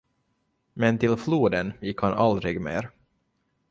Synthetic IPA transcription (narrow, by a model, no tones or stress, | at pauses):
mɛnt̪ʰɪlfluːd̪ənjɪkhanald̪ɾɪɡmḛːɾ